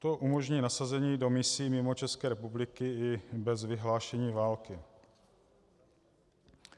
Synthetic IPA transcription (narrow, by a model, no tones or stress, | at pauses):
t̪o̞ʔumo̞ʒɲiːnasazɛɲiːdo̞mɪsiːmɪmot͡ʃɛskɛːɾɛpublɪkɪɪbɛzvɪɦlaːʃɛɲiːvaːlkɪ